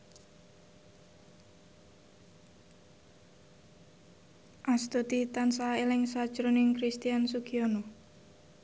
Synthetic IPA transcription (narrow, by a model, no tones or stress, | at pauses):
ʔast̪ut̪it̪ansaelɪŋsḁʒ̥ɾunɪŋkɾist̪iansukiono